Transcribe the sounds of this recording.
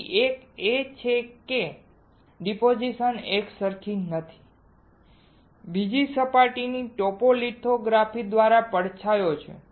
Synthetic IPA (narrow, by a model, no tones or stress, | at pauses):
ʔeket͡ʃʰeke | ɖipod͡ʒiʃəneksəɾkʰinət̪ʰi̥ | bid͡ʒisəpaʈiniʈɔpoliʈ̪ʰoɡɾafid̪ʋaɾapəɽt͡ʃʰajot͡ʃʰḛ